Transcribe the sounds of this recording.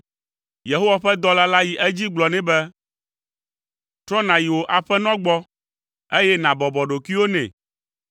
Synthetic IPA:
je˨ɦo˦wa˨ɸɛ˦d̪ɔ˦la˦la˦ji˨ʔɛ˦d͡ʑi˦ɡ͡blɔ˨nɛ̃˨bɛ˦ | t̪ɾɔ˦nã˨ji˨wo˨ʔa˨ɸɛ˦nɔ̃˦ɡ͡bɔ˦ | e˦jɛ˦nã˨bɔ˨bɔ˨ɖo˨ki˦wo˦nɛ̰̃˨

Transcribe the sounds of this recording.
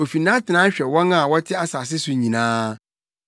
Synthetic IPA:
o˨fi˨nã˦tʰɪ˨nã˦ɕᶣɛ˨wɔ̃˦nã˦˨wɔ˦tʰɪ˦a˦saː˨s̬ɪ˦sʊ˨ɲĩ˨nãː˦

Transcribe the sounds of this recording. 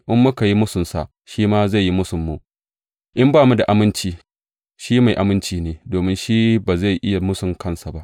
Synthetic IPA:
ʔɪ˦mːʊ˦ka˨ji˦mʊ˦sʊ˨nsa̰˨ʔ | ʃiː˦maː˦za˦˨jːi˦mʊ˦sʊ˨mːu˨ʔ | ʔɪ˦mbaː˦˨mu˦da˨ʔa˨mɪ˦nt͡ʃiː˦ | ʃiː˦ma˨jʔa˨mɪ˦nt͡ʃiː˦neː˨doː˨mɪ˦nʃiː˦baː˨za˦˨jʔɪ˦ja˨mʊ˦sʊ˨ŋkɐ˦˨nsa˨ba˦ʔ

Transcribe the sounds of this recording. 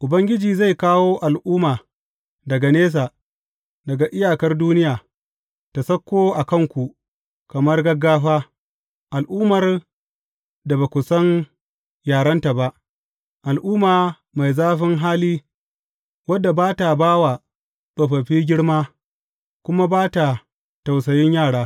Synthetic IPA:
ʔʊ˨bɐ˦ŋɡʲɪ˦d͡ʒiː˨za˦˨jkaː˦woː˦ʔa˨lʔuː˦maː˨ | dɐ˨ɡa˨neː˦s̬aː˨ | dɐ˨ɡa˨ʔɪ˦jaː˨kɐ˦rduː˦nɪ˦jaː˨ | ta˨sɐ˦kːoː˦ʔa˨kɐ˦˨ŋkʷu˨ | kɐ˨mɐ˦rɡɐ˦ɡːaː˦ɸaː˦ | ʔa˨lʔuː˦mɐ˨r | da˨ba˨kʷʊ˨sɐ˦n | jaː˨ɽɐ˦nta˨ba˦ʔ | ʔa˨lʔuː˦maː˨ | ma˨jzaː˦ɸɪ˦ŋɦaː˦liː˦ | wɐ˦dːa˨baː˦ta˨baː˦wa˨ | sʼo˨ɸɐ˨ɸiː˦ɡʲɪ˦ɽmaː˦ | kʷʊ˦ma˦baː˦ta˨ | ta˨ws̬ɐ˨jɪ˦ɲjaː˦˨ɽaː˦

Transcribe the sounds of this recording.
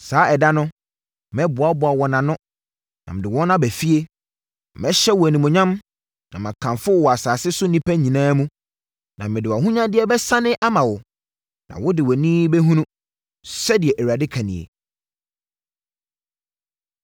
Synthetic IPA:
saː˨˦ɛ˨da˦nʊ̃˦ | mɛ̃˦bʊ˨a˦bʊ˨a˨wɔ˨nã˨nʊ̃˦ | nã̰˨mɪ̃˨dɪ˨wɔ˦nã˦bæ˨fi˦e˦˨ | mɛ̃˦ɕɛ˦wɔ˨æ˨nĩ˨mʊ̃˨ɲã˦m | nã˨mã˨kʰã˨ɱfʊ˦˨wɔ˨a˨saː˨sɪ˦sʊ˦nĩ˦pʰæ˦ɲĩ˨nãː˦mũ˦ | nã˨mɪ̃˨dɪ˨wa˨ɦũ˦ɲã˦dɪ˦ɛ˦bɛ˦sã˦nɪ̃˦ʔa˦mã˨wʊ˨ | nã̰˨wʊ˦dɪ˨wɔ˨nĩː˦bɛ˦ɦũ˦nũ˦ | sɛ˦dɪ˨ɛ˨ʔæ˨wu˨a˨dɪ˦kʰa˨nḭ̃˨ḛ˨

